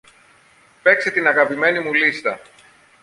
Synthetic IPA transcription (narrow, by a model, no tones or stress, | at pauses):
pe̞kse̞t̪inɐɣɐpime̞nimulist̪ɐ